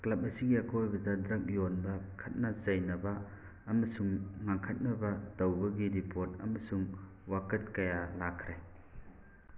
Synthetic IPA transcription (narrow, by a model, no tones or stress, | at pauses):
klɐp̚ɐsiɡiɐkʰojbɐdɐdɾɐk̚jonbɐkʰɐt̚nɐt͡ʃɐjnɐbɐː | mɐsuŋŋaŋkʰɐt̚nɐbɐtɐwbɐɡiɾipʰoɾt̚ɐ̰mɐsuŋ | wakɐt̚kɐjalakʰɾaj